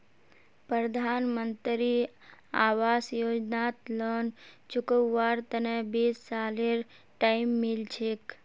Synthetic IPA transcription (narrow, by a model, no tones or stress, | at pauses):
pɾəd̪ʱaːnmənt̪ɾi | aːwaːsjoːd͡ʒnat̪lənt͡ʃʰʊkəwːaɾt̪ənebessaleɾ | ʈaimːilt͡ʃʰek